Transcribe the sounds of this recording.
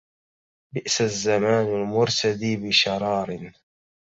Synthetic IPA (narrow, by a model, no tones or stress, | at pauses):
bɪʔsazːamaːnalmʊɾt̪ad̪iːbɪʃɑɾˤɑːɾˤɪn